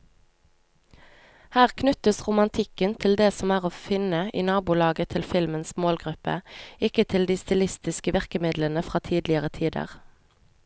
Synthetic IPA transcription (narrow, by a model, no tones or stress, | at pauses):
hæːʁkʰnʉt̪əsʁʊmɑnt̪ʰɪkənt̪ʰɪld̪eːsɔmæːʁoːfɪnəʔḭːnɑːbʊlɑːɡət̪ʰɪlfɪlmənsmoːlɡʁʉpə̰ɪkət̪ʰɪld̪iːst̪ɪlɪst̪ɪskəʋæʁkəmɪd̪lənəfʁɑːt̪ʰiːd̪lɪəʁət̪ʰiːd̪ə̰ʁ